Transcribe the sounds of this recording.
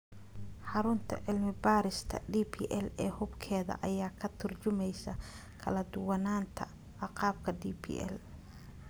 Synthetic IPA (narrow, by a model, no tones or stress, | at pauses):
ħɑɾʊnt̪ʰɐ̰ʕɪlmɪbaːɾɪst̪ʰɐ̰ɖiːpʰḭːʔɛlɛːhʊbkʰɛːðɐ̰ʔɐjaːkʰɐt̪ʰʊrt͡ʃʊmɛjsɐ | kʰɐlɐd̪ʊwɑnaːnt̪ʰɐ̰ | ʕɑqɑːb̚kʰɐɖiːpʰḭːʔɛ̰l